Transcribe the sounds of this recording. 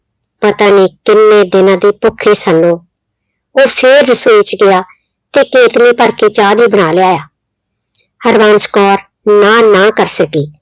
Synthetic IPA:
pət̪aːneːkɪnːeːd̪ɪnãːd̪eːpʊkʰːeːsəlːoː | oːpʰɪɾːəsoːit͡ʃɡɪaː | t̪eːkeːt̪niːpəɾkeːt͡ʃaːd̪iːbəɽ̃aːleːaːjaː | həɾʋãːnt͡ʃkɔːɾ | naːnaːkəɾsəkiː

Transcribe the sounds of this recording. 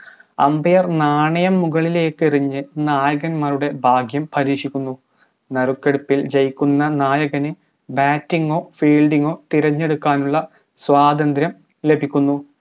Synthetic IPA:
ɐ̰mbɐjɐrnaːɳɐjɐmːuɣɐɭile̞ːkːiriɲːɨnaːjɐɣɐnmaːruɽe̞bʱaːɡʱjɐmpʰɐɾiːʂikʲːunːu | nɐrukːeɽupːild͡ʑɐjkʲːunːɐnaːjɐɣɐnɨ | baːtːiŋɡo̞ːfiːlɖiŋo̞ːt̪iɾɐɲːe̞ɽukːaːnuɭːɐ | swaːd̪ɐnd̪ɾjɐm | le̞bʱikʲːunːu

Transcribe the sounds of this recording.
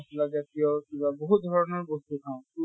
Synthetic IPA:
plakzat̪iɔkibaboɦut̪̚d̪ʱɔɹɔnɔɹbost̪ukʰãʊ̃

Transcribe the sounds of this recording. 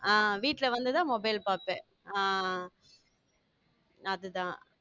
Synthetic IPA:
aːʋiːʈːlɐʋɐnd̪ɯt̪ãːmɔbɐɪlpaːpːẽː | aː | ɐðɯt̪ãː

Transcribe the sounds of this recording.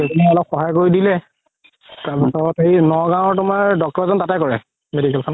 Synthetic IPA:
ekɔnalɔxɔɦajkoɹidilɛ | taɹpɔsɔɹɔteinɔɡãw̃ɔɹtʊmaɹdɔk̚tɔɹzɔntatakɔɹɛ̰ | medikɛlkʰɔna

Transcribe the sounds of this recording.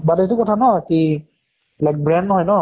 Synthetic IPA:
badetʊkɔtʰanɔki | bɛlak̚bɹɛndnɔɦɔjnɔ

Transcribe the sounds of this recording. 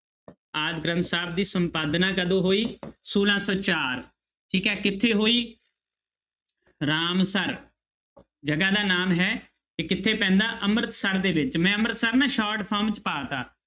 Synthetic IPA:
aːd̪ɡɾənt̪saːb̚d̪iːsəmpaːd̪nãːkəd̪õːɦoːiːsuːlãːsɔːt͡ʃaːɾ | ʈʰiːkɛːkɪt̪ʰːeːɦoːiː | ɾaːmsəɾ | d͡ʒəɡaːd̪aːnaːmɦɛː | kɪkɪt̪ʰːeːpɛ̃ːnd̪aːʔəmɾət̪səɾd̪eːʋɪt͡ʃmɛ̃ːəmɾət̪səɾnaːʃaːɾʈpʰəːɾmt͡ʃpaːt̪aː

